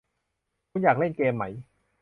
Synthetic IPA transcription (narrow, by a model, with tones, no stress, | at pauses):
kʰu˧˥˦njaː˨˩k̚le˥˩nkeː˧mːa˦˥j